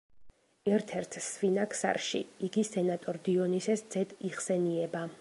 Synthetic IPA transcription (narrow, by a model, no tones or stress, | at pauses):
ɛɾt̪ʰɛɾt̪ʰsvinakʰsa̰ɾʃḭiɡisɛnat̪ʼɔɾd̪iɔnisɛsd̪z̥ɛd̪iχsɛniɛba